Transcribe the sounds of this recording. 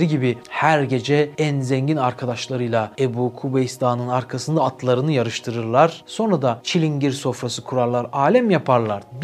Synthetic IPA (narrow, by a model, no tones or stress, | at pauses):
ɾiɟibihæɾɟe̞d͡ʒɛænzeɲɟinaɾkʰad̪aʃlˠaɾɯjlˠaebuːkʰubejist̪ʰaːnɯnaɾkʰasɯnd̪aːt̪ʰlˠaɾɯnɯjaɾɯʃt̪ʰɯɾɯɾlˠaɾ̥so̞nɾad̪at͡ʃʰilʲiɲɟiɾso̞fɾasɯkʰuɾalˠaɾaːlʲæmjapʰaɾlˠaɾb̪